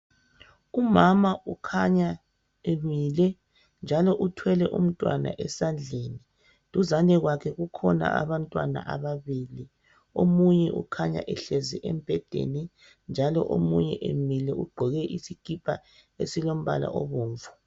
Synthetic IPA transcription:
umamaukʰaɲa | emilɛ | nd͡ʒʱalɔʔutʰwɛlɛʔum̩tʼwa̰na̰ʔɛsand͡ɮʱeːni | tʼuzanɛɣwakʰɛɣukʰɔna̰ʔa̰βantʼwana̰ʔaβaβiːli | omuɲɛʔṵkʰaɲa̰ʔɛɬeziʔɛmb̥ʱɛd̥ʱḛni | nd͡ʒʱalɔ̰ʔomuɲɛ̰ʔemilɛuɡ͡ǃʱɔɣɛʔisikʼipʰaesilom̩βa̰la̰ʔo̰βuːɱvu̥

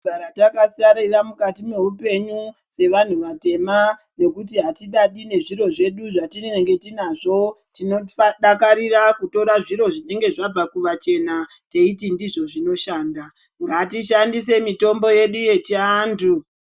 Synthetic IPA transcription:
aɾatakasiaɾiramukatime̞upe̞ɲu | se̞ʋan̤uʋate̞ma | ne̞kut̬iɦatiɗaɗine̞ʐiɾo̞ʐe̞ɗuʐatinŋɡe̞tinaʐo̞ | tinoɗakaɾirakuto̞ɾaʐiɾo̞ʐine̞ŋɡe̞ʐab͡vakuʋat͡ʃe̞nate̞itindiʐo̞ʐino̞ʃaːnda | ŋɡatiʃandise̞mito̞mbo̞je̞ɗuje̞t͡ʃiaːntʰu

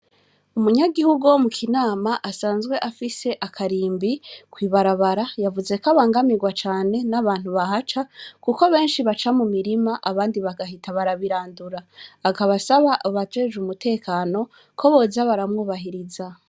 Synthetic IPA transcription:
umuɲaɡihuɡuwomukʰinaːmaʔasaːnzɡwe̞ʔafise̞ʔakʰaɾiːmbikwiːβaɾaβaɾajavuze̞kaβaːŋɡamiɡwat͡ʃaːne̞naβaːnhuβahat͡ʃakuko̞βe̞ːnʃiβat͡ʃamumiɾimaʔaβaːndiβaɡaɦitʰaβaɾaβiɾaːnduɾaːkaβasaβaʔβatwe̞ːʒumutʰe̞ːkaːno̞ | kʰo̞βo̞zaβaɾamŋuːβaɦiɾiza

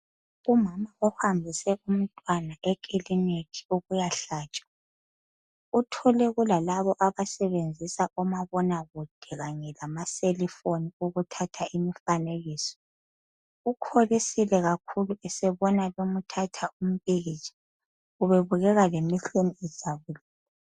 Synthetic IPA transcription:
umamauhambʱisɛʔum̩tʼwanaʔɛkʼilinetʰi̥uɣujaɬaːt͡ʃʼḁ | utʰɔlɛɣulalaβɔʔaβasɛβend͡zʱisaʔɔmaβɔnaɣud̥ʱɛɣaɲɛlamaselifoniuɣutʰatʰaʔimifaneɣiːsɔ̥ | ukʰolisilɛɣakʰuluʔɛsɛβɔnalom̩tʰatʰaum̩pʼiɣit͡ʃʼḁ | uβeβuɣɛɣalemiɬeniɛz̥ʱaβulɛːla

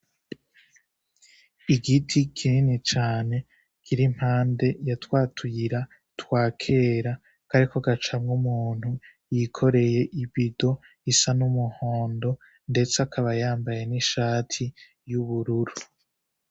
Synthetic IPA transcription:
iɡitʰikʰininit͡ʃaːne̞ | ɡ̥iɾim̥haːnde̞jatwaːtʰujiɾa | twaːkʰe̞ɾa | kaɾikoɡat͡ʃamŋumuːn̥hu | jikʰo̞ɾe̞je̞ʔibido̞ | isanumuho̞ːndo̞ | nde̞t͡sakʰaβajaːmbaje̞niʃaːtʰi | juβuɾuɾu

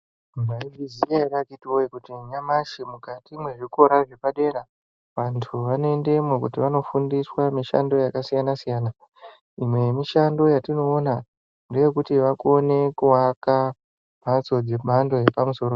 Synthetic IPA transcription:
maiɡizijaaɗakitiwoikutiɲamaʃimukatimwe̞ʐiko̞ɾaʐe̞paɗe̞ɾa | ʋantʰuʋanoende̞mwekutiʋano̞fundiswamiʃa̰ndo̞jakasijanasijaːna | imwe̞miʃando̞jatino̞ːna | ndo̞je̞kutiʋakuone̞kuaka | mʱat͡so̞d͡ze̞ɓʱando̞je̞pamuso̞ro

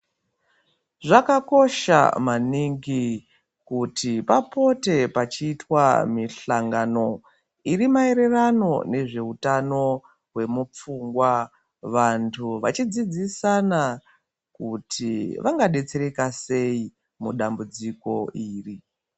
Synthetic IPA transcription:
ʐakako̞ʃa̰maniŋɡi | kutʰipapo̞te̞pat͡ʃiːtwa̰miɬaŋɡano̞ | irimae̞ɾe̞rano̞̰ne̞ʐe̞utano̞ | ɦwe̞mup͡fuŋɡwa | ʋantʰuʋat͡ʃid͡zid͡zisana | kutʰiʋʔaŋɡaɗe̞t͡se̞ɾe̞kase̞i | muɗambud͡ziko̞iːri

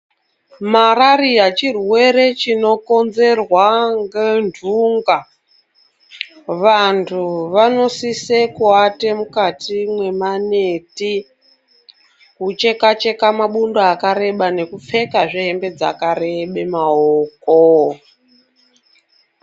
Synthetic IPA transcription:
maraɾijat͡ʃirwe̞ɾe̞t͡ʃino̞ko̞nze̞rwaŋɡendʱuŋɡa | ʋantʰuʋano̞sisekwate̞mukatimwe̞maneti | kut͡ʃe̞kat͡ʃe̞kamaɓundoakaɾe̞ɓane̞kup͡fe̞kaʐiɦembe̞d͡za̰kare̞ɓemaoːko

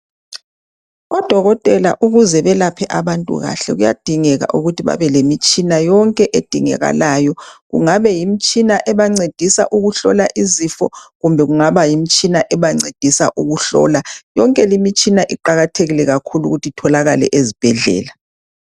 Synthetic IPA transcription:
ɔd̥ʱɔɣɔtʼɛla̰ʔuɣuzɛβɛlapʰɛʔaβantʼṵɣa̰ɬɛ̰ɣuja̰d̥ʱiŋɛɣa̰ʔuɣutʰiβa̰βɛlemit͡ʃʼinajɔŋkʼɛʔed̥ʱiŋɛ̰ɣa̰laːjɔɣṵŋaβɛjimit͡ʃʼinaʔɛβaŋ͡ǀed̥ʱisaʔuɣuɬɔlaʔizifɔ̰ɣumbʱɛɣuŋaβajimit͡ʃʼinaʔɛβaŋ͡ǀed̥ʱisa̰ʔuɣuɬɔ̰ːlajɔŋkʼɛlimit͡ʃʼinaʔiǃaɣatʰeɣilɛɣakʰulṵɣutʰitʰɔlaɣalɛ̰ʔezib̥ʱɛɮɛ̰ːla

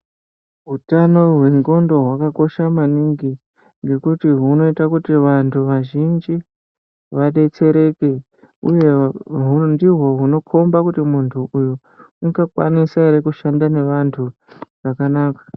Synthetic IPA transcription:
ɦutano̞ɦwe̞ŋɡo̞ndo̞ɦwakako̞ʃamaniŋɡi | ŋɡe̞kutiɦuno̞itakutiʋantʰuʋaʒind͡ʒi | ʋaɗe̞t͡se̞ɾe̞ke̞ | uje̞ɦundiɦwo̞ɦuno̞kʰo̞mbakutimuntʰuʔuju | uɡakwa̰nisaeɾekuʃandane̞ʋantʰu | ʐakanaːkḁ

